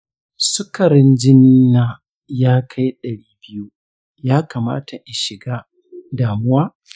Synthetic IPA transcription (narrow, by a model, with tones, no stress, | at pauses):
sʊ˦kɐ˨ɾɪ˦nd͡ʒɪ˦nː˦aː˦ | jaː˦kʰa˦jɗɐ˨ɽiː˦bɪ˦ju˦ | jaː˦kaː˨ma̰ː˦tʰa˨ʔa˨ʃɪ˨ɡaː˦ | daː˨mʊ˦waː˦